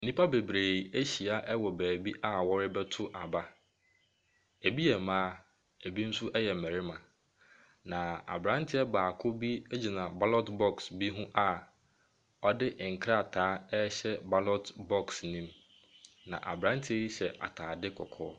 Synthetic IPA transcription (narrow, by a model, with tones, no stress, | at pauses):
n̩˦nĩ˦pʰa˦be˨bɾeː˨e˦ɕi˨a˦ʔɛ˦wɔ˨bæː˨bi˦ʔa˦wɔ˦ɾɪ˦bɛ˦tʰʊ˦ʔa˨ba˦ | e˨bi˦jɛ˨mãː˦ | e˨bi˦n̩˦sʊ˦ʔɛ˦jɛ˨m̩˨æ˨ɾɪ˦mã˨ | nã˨a̰˨bɾã˦ntʰɪ˦ɛ˦baː˨kʰʊ˦bi˦e˦d͡ʑi˨nã˨ba˦lɔ˦tbɔ˦ksbi˦ɦʊ̃˦ʔa˨ | ɔ˦dɪ˦ʔŋ̩˨kʰɾa˦˨tʰaː˨˦ɛ˦ɕɛ˦ba˦lɔ˦tbɔ˦˨ksnĩ˦m | nã̰˨ʔa̰˨bɾã˦ntʰɪ˦ji˦ɕɛ˨ʔa̰˨tʰaː˨dɪ˦kʰɔ̰˨kʰɔː˦